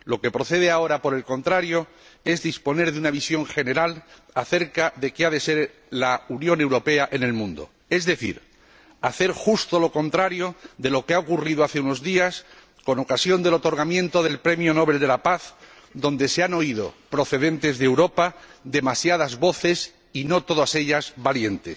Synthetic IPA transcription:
lo̞ke̞pɾo̞θe̞ð̞eao̞ɾapo̞ɾe̞lko̞nt̪ɾaɾjo̞ | e̞zðispo̞ne̞ɾðeunaβisjo̞ŋxe̞ne̞ɾal | aθe̞ɾkaðe̞keaðe̞se̞ɾ | launjõ̞ne̞wɾo̞pe̞aʔe̞ne̞lmũnd̪o̞̰ | e̞zðe̞θḭɾ | aθe̞ɾxust̪o̞lo̞ko̞nt̪ɾaɾjo̞ðe̞lo̞keaokuriðoaθe̞uno̞zðias | ko̞no̞kasjo̞nd̪e̞lot̪o̞ɾɣamjẽ̞nt̪o̞ðe̞lpɾe̞mjo̞no̞βe̞ld̪e̞lapaθ | ðõ̞nd̪e̞seano̞iðo̞̰pɾo̞θe̞ðe̞nt̪e̞zðewɾo̞pad̪e̞masjaðazβo̞θe̞s | ino̞t̪o̞ðase̞ʎazβalje̞nt̪es

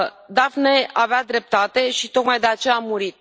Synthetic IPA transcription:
d̪avneavead̪ɾe̞p̚t̪at̪e̞ʃit̪ok̪majd̪e̞at͡ʃe̞jaːmuɾit̪̚

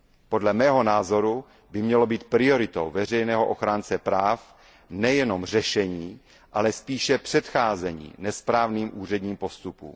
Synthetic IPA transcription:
po̞dlɛmɛːɦo̞naːzo̞ɾu | bɪmɲɛlo̞biːt̪̚pɾɪo̞ɾɪt̪o̰wvɛr̝ɛjnɛːɦoʔoxɾaːnt͡sɛpɾaːf | nɛjɛno̞mr̝ɛʃɛɲiː | ʔalɛspiːʃɛpr̝̥ɛt̪xaːzɛɲḭːnɛspɾaːvniːmʔuːr̝ɛd̪ɲiːmpo̞st̪upṵːm

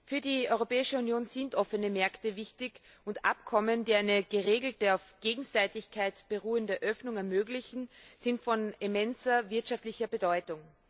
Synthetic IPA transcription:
fyːɐdiɔʏʁopɛːɪʃəunjoːnz̥ɪntʔɔfənəmɛɐktəvɪçtɪk | ʊntʔa̰pkʰɔməndiːaɪnəɡ̥əʁeːɡl̩təaʊfɡ̥eːɡŋ̩z̥aɪtɪçkʰaɪtb̥əʁuːəndəʔœfnʊŋɛɐmøːɡlɪçn̩z̥ɪntfɔnimɛnzɐvɪɐtʃaftlɪçɐbədɔʏtʊŋ

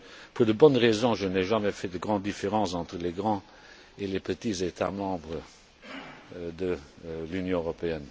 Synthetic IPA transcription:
puʁd̪əbɔnʁezɔ̃ʒənɛʒamɛfɛd̪əɡʁɑ̃d̪̚d̪ifeʁɑ̃sɑ̃t̪χəleɡʁɑ̃ | elepət̪izet̪ʰa̰mɑ̃bʁə | d̪əlynjɔ̃øʁɔpeɛn

